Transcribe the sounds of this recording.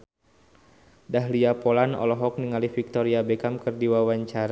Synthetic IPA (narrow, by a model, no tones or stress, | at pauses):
daɦliapolanɔ̰lɔɦɔk̚niŋalifik̚t̪ɔɾiabɛkamkɨrdiwawaɲt͡ʃaɾa